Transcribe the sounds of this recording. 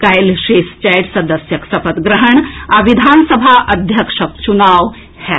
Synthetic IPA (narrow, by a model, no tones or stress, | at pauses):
kajlʃest͡ɕajʈsɐd̪əsjɐksɐpət̪ɡɾəɦəɳaʋid̪ʱansəbʱaʔɐd̪ʱjɐkʂək̚t͡ʃunaːʋ | hɛ